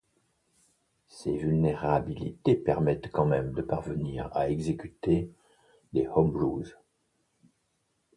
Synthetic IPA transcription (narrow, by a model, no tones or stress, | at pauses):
sevylneʁabilḭt̪epɛʁmɛt̪kɑ̃mɛmd̪əpaʁvəniʁa̰ɛɡzekʲyt̪e | d̪ehɔmʁuz